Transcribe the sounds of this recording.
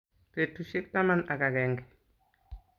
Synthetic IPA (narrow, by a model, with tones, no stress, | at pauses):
pe˨tu˨ʃi˦k̚ta˦ma˨na˨ka˨kɛŋɡɛ˨